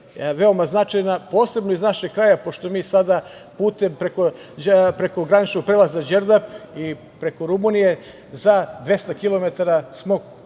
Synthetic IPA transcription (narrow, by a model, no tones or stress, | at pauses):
ʋe̞o̞maznat͡ʃajnapo̞ːse̞bnoiznaʃeɡ̚kɾaːjapo̞ʃt̪o̞miːsad̪a | puːt̪empɾeko | pɾeko̞ɡɾanit͡ʃnoɡ̚pɾelazad͡ʒeɾd̪api | pɾe̞koɾumunije̞ | zad̪ʋe̞st̪akilˠo̞me̞t̪aɾasmo̞